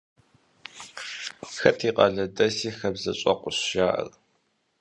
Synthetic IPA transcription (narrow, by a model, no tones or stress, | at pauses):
xɐtʰiːqʼɐɮɐdɐsiːxɐbzɐɕʼɐ̰qʷʊɕʒaːʔɐ̰r